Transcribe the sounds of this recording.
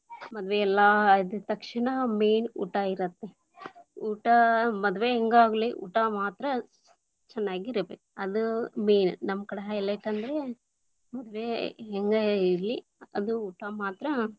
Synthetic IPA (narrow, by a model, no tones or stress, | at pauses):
mɐd̪ʋeɛlːaid̪ut̪ɐkʂiɳɐmeːnṵːʈaiɾɐt̪ːe | uːʈamɐd̪uʋeɦeŋɡaːɡɐliʔṵːʈamaːt̪ɾɐ | t͡ʃɛnːaːɡiɾɐbekuɐd̪umeːnnɐmːɐkɐɽeɦɐjlːɐiʈːɐnd̪ɐɾe̞ | mɐd̪uʋeɦeŋɡɐiɾli | ɐd̪uuːʈamaːt̪ɾɐ